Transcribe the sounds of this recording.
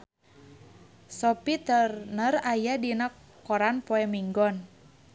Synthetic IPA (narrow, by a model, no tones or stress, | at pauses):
sɔpit̪ərnərajadinakː | ɔɾanpoɛmiŋɡɔn